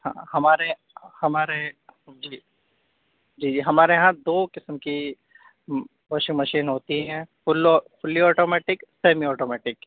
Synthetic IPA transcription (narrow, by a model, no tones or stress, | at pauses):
hã̰ːhɐmaːɾe | hɐmaːɾed͡ʒiː | d͡ʒiːiɦɐmaːɾeɦãd̪oːkɪsəmki | ʋəʃɪ̃ŋmɐʃiːnɦoːt̪iɦɛ̃fʊlpʊlːiɔːʈoːmɛːʈɪkseːmiɔːʈoːmɛːʈɪk